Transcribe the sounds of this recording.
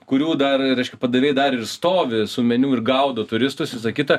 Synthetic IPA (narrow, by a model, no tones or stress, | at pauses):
kʊɾʲuːd̪ɐrɾʲɛɪʃkʲɛpɐd̪ɐʋʲeːjd̪ɐɾɪrst̪oːʋʲɪsʊmʲɛnʲuːɪrɡɐʊd̪oːt̪ʊɾʲɪst̪ʊsʋʲɪsɐkʲɪt̪ɐ